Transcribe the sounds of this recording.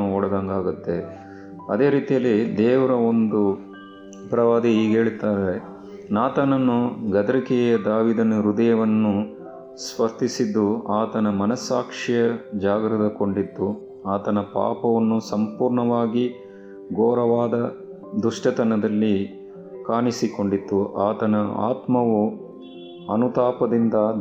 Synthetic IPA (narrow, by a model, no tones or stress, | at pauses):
ɔɽɐd̪aŋɡaːɡut̪ːe̞ | ɐd̪e̞ːɾiːt̪ijɐlːid̪ɛːʋɐɾɐond̪u | pɾɐʋaːd̪iiːɡe̞ːɭt̪aːɾe | naːt̪aːnɐnːuɡɐd̪ɐɾikɛjjɐd̪aːʋiːd̪ɐnɐɾud̪ɐjɐʋɐnːu | sʋɐɾt̪isid̪ːuaːt̪ɐnɐmɐnɐsaːkʂijɐd͡ʒaːɡɾɐd̪ɐko̞ɳɖit̪ːu | aːt̪ɐnɐpa̰ːpɐʋɐnːusɐmpuːɾɳɐʋaːɡi | ɡoːɾɐʋaːd̪ɐ | d̪uʂʈɐt̪ɐnɐd̪ɐlːi | kaːnisiko̞ɳɖit̪ːuʔaːt̪ɐnɐa̰ːt̪mɐʋu | ɐnut̪aːpɐd̪ind̪ɐ